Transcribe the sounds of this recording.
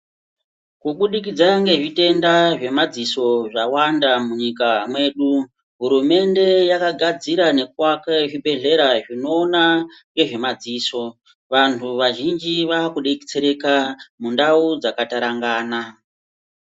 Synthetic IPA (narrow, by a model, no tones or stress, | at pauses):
kuɓuɗik̬id͡zaŋɡe̞ʐite̞ndaʐe̞mad͡ziso̞ʐawandamuɲikamwe̞ːɗu | ɦuɾume̞nde̞jakaɡʱad͡ziɾane̞kwakaʐibʱe̞ɮe̞ɾaʐino̞ːnaŋɡe̞ʐe̞mad͡ziːso̞ | ʋantʰuʋaʒind͡ʒiʋakuɗeki̥t͡seɾe̞kamundaud͡zakataɾaŋɡaːna